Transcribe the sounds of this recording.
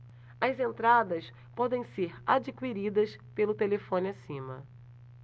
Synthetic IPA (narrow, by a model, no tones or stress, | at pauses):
ɐzẽnt̪ɾad̪ɐs | pɔd̪ẽj̃seɾad͡ʒikwiɾid̪ɐspelʊt̪elefõnɪasĩmɐ̰